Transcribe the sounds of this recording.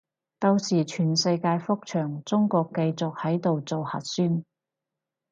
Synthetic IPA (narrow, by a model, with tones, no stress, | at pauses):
t̪o˧wsiː˨˩t͡ʃʰyː˨˩nsɐ˧jkaː˧jfʊ˥k̚t͡ʃʰœː˨˩ŋt͡sʊ˥ŋkɔː˧kːɐ˧jt͡sʊ˨k̚hɐ˨˥jt̪o˨wt͡so˨whɐ̰˨t̚syː˥n